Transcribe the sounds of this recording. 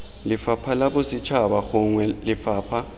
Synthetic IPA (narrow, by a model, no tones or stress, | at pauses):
lɪfapʰalabʊsɪt͡ʃʰabaxʊŋwɛlɪfaːpʰa